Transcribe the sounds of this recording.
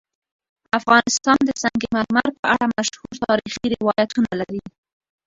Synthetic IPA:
afɣɑnɪst̪ɑnd̪əsaŋɡemaɾmaɾpəaɽamaʃhuɾt̪ɑɾixiɾɪwɑjat̪unalaɾi

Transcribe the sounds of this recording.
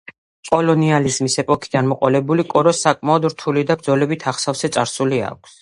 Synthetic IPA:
qʼɔlɔnializmisɛpʼɔkʰid̪anmɔqʼɔlɛbulikʼɔɾɔsːakʼmaɔd̪ɾt̪ʰulid̪abɾd̪zɔlɛbit̪ʰaχsafsɛt̪sʼaɾsulia̰k̚ʷʰs

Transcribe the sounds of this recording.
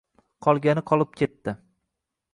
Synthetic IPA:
qʰɒlˠɡʲanɪqʰɒlˠɪp̚kʲʰe̞t̪ːɪ

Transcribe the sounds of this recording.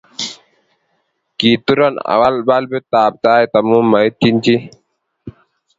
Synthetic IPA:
kit̪uɾɔna̰walbalbet̪aːb̚t̪aːjt̪ɐmũːmːat̪ʰːint͡ɕi

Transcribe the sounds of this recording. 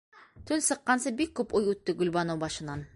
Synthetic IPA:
t̪ʰɵnsɤ̆qːɑnsɤbik̚kʰːɵpujʉt̪ːɪɡʉlbɑnowbɑʃənɑn

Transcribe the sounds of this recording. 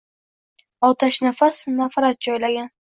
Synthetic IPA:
ɒt̪ʰaʃnafasnafɾat̪̚d͡ʒɒjlaɡʲan

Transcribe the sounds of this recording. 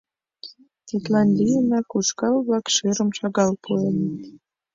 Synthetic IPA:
t̪ʲit̪lɑnʲd̪ʲijənɑkuʃkɑlβlɑkʃeɾəmʃɑɣɑlpʰuenə

